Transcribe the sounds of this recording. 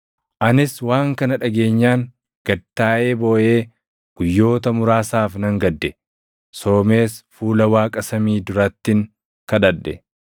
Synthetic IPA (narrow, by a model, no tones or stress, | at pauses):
ʔɐnɪswaːŋkɐnɐᶑɐɡe̞ːɲːaːŋ | ɡ̥ɐt̪ːaːʔe̞ːbo̞ːʔe̞ː | ɡ̥ʊjːo̞ːt̪ɐmʊɾaːsaːfnɐŋɡɐd̪ːɛ | so̞ːme̞ːsfuːlɐwaːkʼɐsɐmiːd̪ʊɾɐt̪ːɪŋ | kɐᶑɐᶑɛ